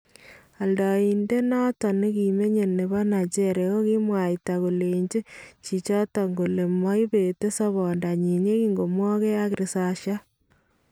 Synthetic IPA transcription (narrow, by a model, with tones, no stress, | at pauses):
a˨ldɔ˨i˨nde˦nɔ˦tɔ˨ni˦ki˨me˦ɲe˨ne˨βɔ˦na˨t͡ʃe˦ɾe˨o˦ki˦mwa˨i˨ta˨ko˨le˨ɲd͡ʒe˦t͡ʃi˨t͡ʃɔ˦tɔ˨ŋɡo˨le˨mɔ˦i˦be˨te˦sɔ˦βɔ˨nda˨ɲi˨ɲe˦ki˦ŋɡo˨mwɔ˦ke˦a˦kɾi˨sa˨ʃa˦